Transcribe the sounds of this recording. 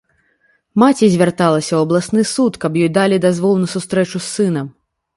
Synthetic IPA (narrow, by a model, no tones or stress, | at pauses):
mat͡sʲizʲvʲart̪alˠɐsʲɐwɐblˠasnɨsut̪kɐpjɔjd̪alʲid̪azvɔlˠnɐsust̪ɾɛt͡ʂusːɨnɐm